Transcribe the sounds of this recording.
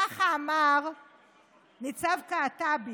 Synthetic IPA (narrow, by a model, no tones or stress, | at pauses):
aχaːmaʁ | nit͡savkaːtabi